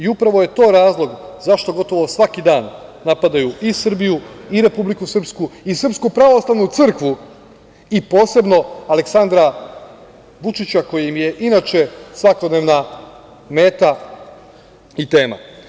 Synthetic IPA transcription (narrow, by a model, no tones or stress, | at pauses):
iupɾaʋo̞je̞t̪o̞ːɾaːzlˠo̞ɡzaʃt̪o̞ɡo̞t̪o̞ʋo̞sʋakid̪aːnːapad̪ajuʔisr̩bijuiɾe̞publikusr̩pskuisr̩pskupɾaʋo̞slˠaʋnut̪sɨr̩kʋu | ipo̞ːse̞bno̞aleksand̪ɾa | ʋut͡ʃit͡ɕako̞jimje̞ʔinaːt͡ʃe̞sʋakod̪neːʋna | me̞ːt̪a | it̪eːma̰